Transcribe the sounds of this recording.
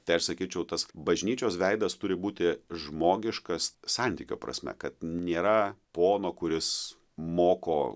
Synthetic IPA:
t̪ɐɪɐʃsɐkʲiːt͡ʃʲɛʊt̪ɐsbɐʒʲnʲiːt͡ʃʲoːsʋʲɛɪd̪ɐst̪ʊɾʲɪbuːt̪ʲɪʒmoːɡʲɪʃkɐssɑnʲt̪ʲiːkʲo̰ːpɾɐ̰sʲmʲɛ̰kɐt̪nʲeːɾɐpoːnoːkʊɾʲɪs | moːko̰ː

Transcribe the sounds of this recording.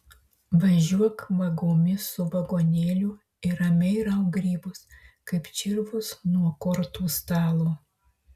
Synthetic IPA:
ʋɐʒʲuɔkʋɐɡoːmʲɪsʊʋɐɡoːnʲeːlʲu | ɪɾɐmʲɛɪɾɐʊɡɾʲiːbʊskɐɪpt͡ʃʲɪɾʋʊsnuɔkɔɾt̪uːst̪ɑːlˠuː

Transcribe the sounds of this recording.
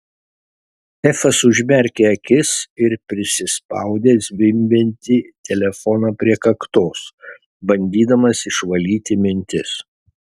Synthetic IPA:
ɛfɐsʊʒʲmʲɛɾʲkʲeːɐkʲɪsɪɾpʲɾʲɪsʲɪspɑ̰ˑʊd̪ʲeːsʲʋʲɪmʲbʲɛnʲt̪ʲɪt̪ʲɛlʲɛfɔnɑːpʲɾʲiɛkɐkt̪oːs | bɐnʲd̪ʲiːd̪ɐmɐsɪʃʋɐlʲiːt̪ʲɪmʲɪnʲt̪ʲɪs

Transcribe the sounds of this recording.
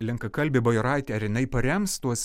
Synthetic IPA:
lʲɪŋkɐkɐlʲbʲɪbɐjoɾɑˑɪt̪ʲeɐɾjɪnɐɪpɐɾʲɛmst̪uɔs

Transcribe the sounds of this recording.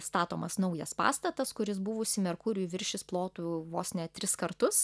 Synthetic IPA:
st̪ɑːt̪oːmɐsnɒʊjɛspɑ̰ːst̪ɐt̪ɐskʊɾʲɪs̬bʊʋʊsʲɪmʲɛɾkuːɾʲuʋʲɪɾʲʃʲɪsplˠoːt̪uːʋoːsʲnʲɛt̪ʲɾʲɪskɐɾt̪ʊs

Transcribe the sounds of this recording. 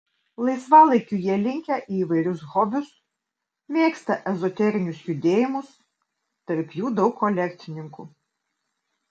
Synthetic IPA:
lˠɐɪsʋɑːlˠɐɪkʲʊjɛɛlʲɪŋʲkʲæʔiːʋɐɪɾʲʊsɣɔbʲʊs | mʲeːkst̪ɐʔɛzɔt̪ʲɛɾʲɪnʲʊsjʊd̪ʲeːjɪmʊs | t̪ɐɾʲpʲjuːd̪ɒʊkːɔlʲɛkʲt̪sʲɪnʲɪŋku

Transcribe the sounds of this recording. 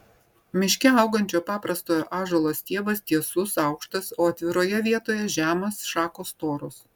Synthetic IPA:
mʲɪʃʲkʲɛɐʊɡɐnʲt͡ʃʲoːpɑːpɾɐst̪oːjoʔɑːʒoːlˠoːst̪ʲiɛʋɐst̪ʲiɛsʊsɑˑʊkʃt̪ɐsoːɐt̪ʲʋʲɪɾoːjɛʋʲiɛt̪oːjɛʒʲæːmɐsʃɑːkoːst̪oːɾʊs

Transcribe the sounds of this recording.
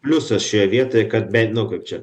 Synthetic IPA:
pʲlʲʊsɐsʃʲojɛʋʲiɛt̪oːjɛkɐt̪̚bʲɛɪnʊkɐɪp̚t͡ʃʲɛ

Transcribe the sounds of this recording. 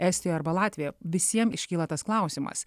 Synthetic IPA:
ɛːsʲt̪ʲɪjoːɐɾbɐlˠɑːt̪ʲʋʲɪjɛʋʲɪsʲiɛmɪʃʲkʲiːlˠɐt̪ɐsklˠɑˑʊsʲimɐ̰s

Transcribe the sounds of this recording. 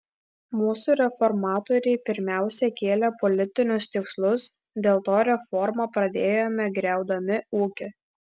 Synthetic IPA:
muːsuːɾʲɛfɔɾmɑːt̪ɔːɾʲɛɪpʲɪɾʲmʲæˑʊsʲɛkʲeːlʲɛpɔlʲɪt̪ʲɪnʲʊst̪ʲɪkslˠʊs | d̪ʲeːlˠt̪oːɾʲɛfɔɾmɑpɾɐd̪ʲeːjoːmʲɛɡɾʲæˑʊd̪ɐmʲɪuːkʲɪ

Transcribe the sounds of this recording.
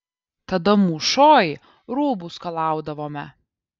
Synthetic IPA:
t̪ɐd̪ɐmuːʃoːj | ɾuːbuskɐlˠɑˑʊd̪ɐʋoːmʲɛ

